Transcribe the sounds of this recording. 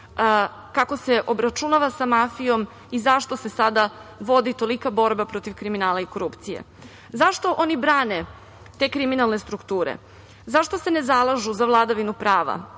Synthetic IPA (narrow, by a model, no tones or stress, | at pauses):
kako̞se̞ʔo̞bɾat͡ʃunaʋasamafijo̞m | izaʃt̪o̞se̞sad̪aʋo̞d̪it̪o̞likabo̞ɾbapɾo̞t̪iʋkɾiminaːlˠaiko̞ɾupt̪sijḛ | zaʃt̪o̞ʔo̞nibɾaːne̞ | t̪e̞ːkɾiminalˠne̞st̪ɾukt̪uːɾḛ | zaʃt̪o̞se̞nezalˠaʒuzaʋlˠad̪aʋinupɾaːʋa̰